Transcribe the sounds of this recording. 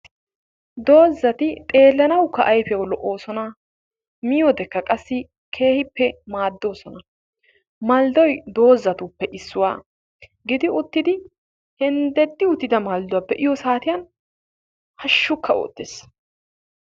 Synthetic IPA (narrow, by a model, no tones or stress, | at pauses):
d̪o̞ːzːɐt̪ɪt̪ʼe̞ːlːɐnɐwkːɐʔɐjfɛjɐwlɔʔo̞ːsɔnɐ | mɪjɔd̪ɛkːɐkʼɐsːɪ | kʰe̞ːhɪpːɛmaːd̪ːo̞ːsɔnɐ | mɐld̪ɔjd̪o̞ːzːɐt̪ʊpːɛʔɪsːʊwaː | ɡɪd̪ɪʊt̪ːɪd̪ɪ | hɛnd̪ɛd̪ːɪʊt̪ːɪd̪ɐmɐld̪ʊwɐpːɛʔɪjɔsaːt̪ɪjɐn | hɐʃːʊkʰːɐo̰ːt̪ːes